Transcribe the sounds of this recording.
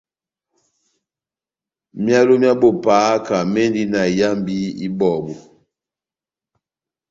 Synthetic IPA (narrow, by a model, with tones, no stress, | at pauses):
mja˦lo˦mja˦bo˨paː˨˦ka˨me˦n˦di˦na˨ja˦mbi˦ḭ˦bɔː˨bu˨